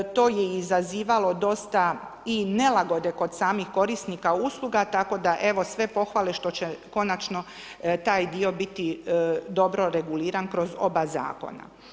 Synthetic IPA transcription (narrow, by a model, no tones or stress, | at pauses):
t̪o̞ːjeizaziːʋalo̞d̪o̞st̪a | ine̞laɡo̞d̪e̞ko̞d̪saːmixko̞ɾisnikauːslˠuɡat̪ako̞d̪aʔe̞ʋo̞sʋe̞po̞xʋale̞ʃt̪o̞t͡ɕeko̞nat͡ʃno̞t̪aːjd̪io̞bit̪id̪o̞bɾo̞ɾeɡuliːɾankɾo̞zo̞̰baza̰ːko̞̰na̰